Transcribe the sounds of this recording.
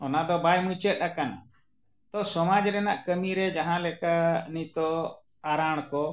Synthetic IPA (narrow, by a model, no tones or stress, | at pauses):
ɔnad̪ɔbajmut͡ʃət̪̚akana̰ | t̪ɔsɔmad͡ʒɾɛnaʔkəmiɾɛd͡ʒaɦãlɛkanit̪ɔ | aɾaɽ̃kɔ